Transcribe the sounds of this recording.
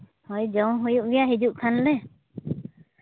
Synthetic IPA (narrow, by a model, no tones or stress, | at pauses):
hɔjd͡ʒɔw̃ɦujuʔ̚bijaɦid͡ʒuʔkʰanlɛ